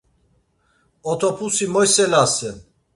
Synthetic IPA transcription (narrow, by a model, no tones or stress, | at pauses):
ɔt̪ʰɔpʰusimɔjsɛlasɛn